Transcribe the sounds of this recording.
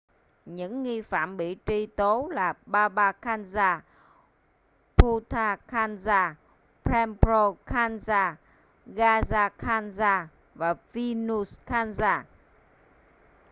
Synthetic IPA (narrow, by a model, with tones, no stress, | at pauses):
ɲɨ̰˧˥ŋːi˧fa̰ː˧˨mɓḭ˧˨t͡ɕi˧t̪o˨˦laː˨˩ɓaː˧ɓaː˧kʰaː˧nzaː˧ | pʰu˧t̪ʰaː˧kʰaː˧nzaː˧ | pɾɛ˧mpɾo˧kʰaː˧nzaː˧ | ɣaː˧zaː˧kʰaː˧nzaː˧ | vaː˨˩vi˧nu˧skaː˧nzaː˧